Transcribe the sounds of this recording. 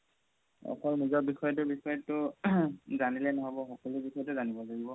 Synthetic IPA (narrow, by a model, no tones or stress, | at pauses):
ɔ̰kʰɔlnizɔbixɔjɔt̬ʊbixɔjɔtʊ | zanilɛnɔɦabɔxɔkɔlʊbixɔjɔtʊzanibɔlaɡibɔ